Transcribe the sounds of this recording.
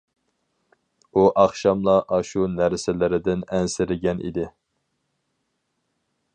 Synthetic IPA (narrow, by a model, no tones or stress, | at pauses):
uʔɑχʃɑmlˠɑʔɑʃunæɾsɪlɪɾɪd̪ɪnɛnsɪɾɪɡʲɛnʔḭd̪ɪ